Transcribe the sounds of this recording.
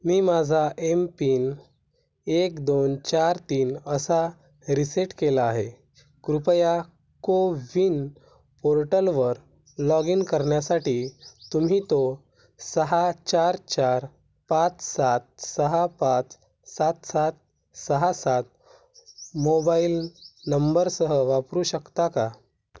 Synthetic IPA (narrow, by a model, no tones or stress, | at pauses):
miːmad͡zʱaʔempiːn | ekd̪ont͡ɕaɾt̪iːnəsa | ɾiseʈkelaːɦe | kɾupəja | koʋin | poɾʈəlʋəɾ | lɔɡinkəɾɳjasaʈiːt̪um̤iːt̪o | səɦat͡ɕaɾt͡ɕaɾ | pãt͡ssat̪̚səɦapãt͡s | sat̪sat̪̚ | səɦasat̪̚ | mobailnəmbəɾsəɦəʋapɾuːɕəkt̪aka